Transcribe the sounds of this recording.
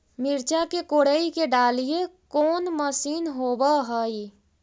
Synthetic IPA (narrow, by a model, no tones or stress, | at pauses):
miɾt͡ʃakekoɽəikeɖalijekoːnməsiːnɦobəɦəj